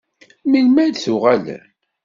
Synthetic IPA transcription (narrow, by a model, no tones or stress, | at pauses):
milmænθʊʁælæ̰